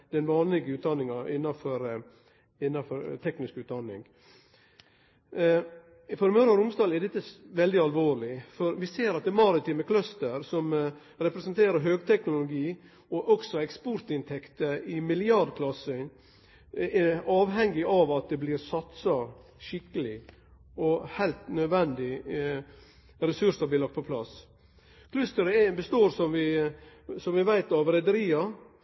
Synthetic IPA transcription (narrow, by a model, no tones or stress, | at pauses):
d̪ɛnʋɑːnlɪɡəʉːt̪̚d̪ɑnːɪŋɑʔɪnːɑfɔɾ | ɪnːɑfɔɾt̪ʰɛknɪskʉːt̪̚d̪ɑnːɪ̰ŋ | fɔɾmœɾɑɾʊmsd̪ɑːlɛd̪ɛt̪ːəʋɛld̪ɪɑlʋoːɾɭɪfɔɾʋɪseːɾɑt̪̚d̪ɛmɑɾɪt̪ʰyːməkʰlœst̪əɾsɔm | ɾɛpɾɛsənt̪ʰeːɾəɾɦøːɡt̪ʰɛknʊlʊɡiː | ɔʔɔksɔɛkspɔɾt̪ɪnt̪ʰɛkt̪əɪmɪlɪɑɖ̪kʰlɑsœn | ɛɑːʋɦɛŋːɪʔɑʋɑt̪̚d̪ɛblɪɾsɑt̪sɑʃɪkːəlɪ | ʔɔhæɪlt̪nœd̪ʋɛnd̪ɪ | ɾɛsʉʂəblɪlɑkt̪pʰɔpʰlɑ̰s | kʰlœst̪əɾəɛbəst̪oːɾsɔmʋɪ | sɔmʋɪʋæɪt̪ɑʋɾɛd̪əɾiːɑ